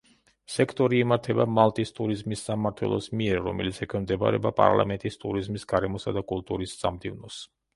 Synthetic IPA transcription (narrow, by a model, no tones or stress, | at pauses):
sɛkʰt̪ʼɔɾiːmaɾt̪ʰɛbamalˠt̪ʼist̪ʼuɾizmisːamaɾt̪ʰwɛ̰lˠɔsmiɛɾːɔ̰mɛ̰lit̪sʰɛkʰwɛmd̪ɛba̰ɾɛ̰bapʼa̰ɾlˠa̰mɛnt̪ʼist̪ʼuɾizmisɡaɾɛmɔsad̪akʼulˠt̪ʼuɾisz̥amd̪ivnɔs